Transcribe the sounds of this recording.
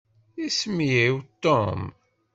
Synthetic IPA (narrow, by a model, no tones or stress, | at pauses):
ismjiwt̪ːom